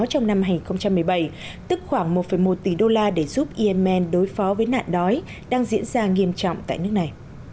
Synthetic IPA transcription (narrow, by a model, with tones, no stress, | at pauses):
t͡ɕɔ˧wŋ͡mna˧mha˧ŋi˨˩nxə˧wŋ͡mt͡ɕa˧mːɨ˨˩əjɓə˧˩j | t̪ɨ˦˥k̚xwaː˧˩ŋmo˨˩t̚fə˧˩jmo˨˩t̚t̪i˧˨˩ɗo˧laː˧ɗe˧˩zu˦˥p̚ʔi˧ʔɛ˧mʔɛ˧nɗo˨˦jfɔ˨˦vəː˨˦jna̰ː˧˨nɗɔ˨˦j | ɗaː˧ŋzḭ˧˥ənzaː˧ŋi˧əmt͡ɕɔ̰˧˨wŋ͡mt̪a̰ː˧˨jnɨ˦˥ək̚na˨˩j